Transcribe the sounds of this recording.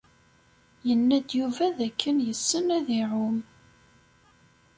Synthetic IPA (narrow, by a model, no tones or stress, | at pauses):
jənːæd̪juvæðækʰːənjəsːənæðiʕʊm